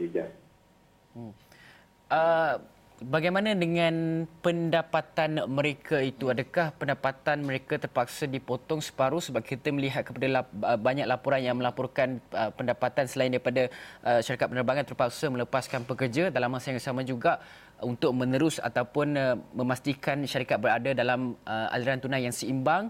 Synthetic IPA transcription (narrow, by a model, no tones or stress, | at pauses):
id͡ʒa | ʔə | baɡajmãnãdəŋãnpəndapat̪anmə̃ɾekʰait̪uadakahpəndapat̪anmə̃ɾekat̪ərpak̚sadipot̪ɔŋsə̥paɾʊsəbap̚kʰit̪əməliɦat̪̚kəpadalaəbaɲak̚lapuɾanjaŋmə̃lapɔrkanəpəndapat̪ansəlaindaɾipadaʔəʃaɾikat̪̚pənərbaŋant̪ərpak̚samə̃ləpaskanpəkərd͡ʒadalamːasajaŋbəsamãd͡ʒuɡaʔ | unt̪ʊk̚mə̃nəɾʊsa̰t̪awpʊnmə̃mast̪ikanʃaɾikat̪̚bəɾadadalaməa̰liɾant̪unajaŋsəimbaŋ